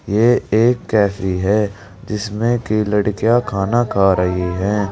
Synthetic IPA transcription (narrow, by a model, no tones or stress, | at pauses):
jeːeːkːɛːfiɦɛː | d͡ʒɪsmẽkilɐɽkijakʰaːnakʰaːɾɐɦiɦɛ̃ː